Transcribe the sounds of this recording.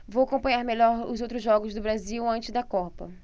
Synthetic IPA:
vowakõpɐ̃ɲ̃aɾmeʎɔɾʊ̰zowt̪ɾʊzʒɔɡʊzd̪ʊbɾaziwɐ̃nt͡ʃɪzd̪ɐkɔpɐ̰

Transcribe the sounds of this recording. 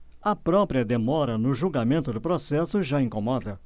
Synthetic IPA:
ɐpɾɔpɾiɐd̪emɔɾɐnʊʒuɡamẽnt̪ʊd̪ʊpɾosɛsʊʒaĩkomɔd̪ɐ

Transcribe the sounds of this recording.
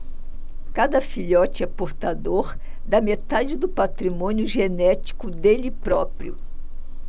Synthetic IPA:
kad̪ɐfiʎɔt͡ʃɪɛpoɾt̪ad̪oɾ | d̪ɐmet̪ad͡ʒɪd̪ʊpat̪ɾimõnjʊʒenɛt͡ʃi̥kʊd̪elɪpɾɔpɾiʊ̰

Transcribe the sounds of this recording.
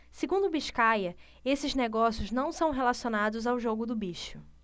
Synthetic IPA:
seɡũnd̪ʊbiʃkajɐ | esɪzneɡɔsjʊznɐ̃w̃sɐ̃w̃ɦelasionad̪ʊzawʒoɡʊd̪ʊbiʃʊ

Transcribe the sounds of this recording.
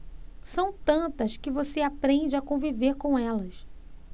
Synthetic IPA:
sɐ̃w̃t̪ɐ̃nt̪ɐskɪvoseapɾẽd͡ʒɪakõviveɾkõɛlɐs

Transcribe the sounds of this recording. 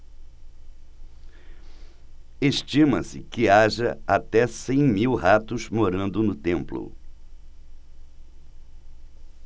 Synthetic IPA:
eʃt͡ʃĩmɐsɪkɪaʒɐat̪ɛsẽj̃miwhat̪ʊzmoɾɐ̃nd̪ʊnʊt̪ẽmplʊ̰

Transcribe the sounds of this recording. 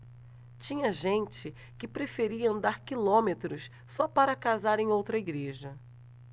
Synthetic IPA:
t͡ʃĩɲɐʒẽnt͡ʃɪ | kɪpɾefeɾiɐɐ̃nd̪aɾkilõmet̪ɾʊs | sɔpaɾɐkazaɾẽj̃owt̪ɾɐiɡɾeʒɐ

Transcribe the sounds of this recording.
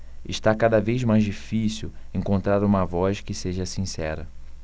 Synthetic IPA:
ɪʃt̪akad̪ɐvejzmajzd͡ʒifisiw | ẽŋkõnt̪ɾaɾũmɐvɔʃkɪseʒɐsĩsɛɾɐ

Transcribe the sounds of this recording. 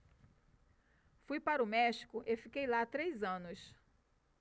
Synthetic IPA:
fujpaɾʊmɛʃi̥kʊʔefikejlat̪ɾejzɐ̃nʊs

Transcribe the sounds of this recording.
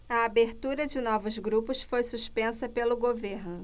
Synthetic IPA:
ɐabeɾt̪uɾɐd͡ʒɪnɔvʊzɡɾupʊsfojsuspẽsɐpelʊɡoveɾnʊ

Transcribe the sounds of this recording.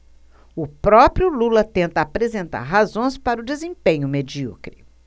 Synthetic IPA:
ʊpɾɔpɾijʊlulɐt̪ẽnt̪ɐapɾezẽnt̪a̰ɾɦazõj̃spaɾʊd͡ʒezẽpẽɲʊmed͡ʒiɔ̰kɾi

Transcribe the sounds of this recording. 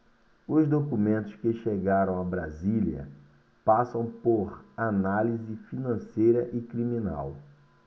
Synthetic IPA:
ʊzd̪okumẽnt̪ʊskɪʃeɡaɾɐ̃w̃abɾaziljɐ̰ | pasɐ̃w̃poɾanalizɪfinɐ̃sejɾɐʔɪkɾimĩna̰w

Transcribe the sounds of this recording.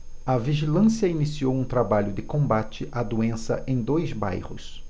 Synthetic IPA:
ɐviʒilɐ̃siɐinisiowũt̪ɾabaʎʊd̪ɪkõbat͡ʃɪʔad̪uẽsɐ̰ʔẽj̃d̪ojzba̰jhʊ̰s

